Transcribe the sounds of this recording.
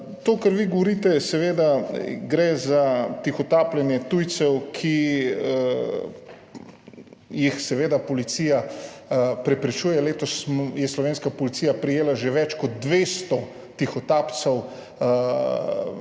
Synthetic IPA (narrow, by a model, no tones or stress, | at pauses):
t̪oːkaɾʋiɡoʋɔɾiːt̪ɛsɛʋeːd̪aɡɾezat̪ixɔt̪aːplɛnjɛt̪ujt̪sɛwkʰi | jixsɛʋeːd̪apɔlit̪siːja | pɾɛpɾɛt͡ʃuːjɛleːt̪ɔsmjɛslɔʋeːnskapɔlit̪siːjapɾijeːlaʒeʋɛt͡ʃkɔd̪̚d̪ʋeːst̪ɔ | t̪ixɔt̪aːpt̪sɛw